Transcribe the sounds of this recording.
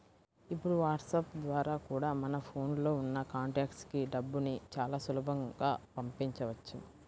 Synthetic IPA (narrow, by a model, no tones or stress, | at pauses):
ipːuɽuʋaːʈsɐpd̪ʋaːɾaːkuːɽaːmɐnɐpʰo̞ːnlo̞ːunːɐkaːɳʈaːkskiɖɐbːunit͡ʃaːlaːsulɐbʱɐŋɡaːpɐmpiɲt͡ʃɐʋɐt͡ʃːṵ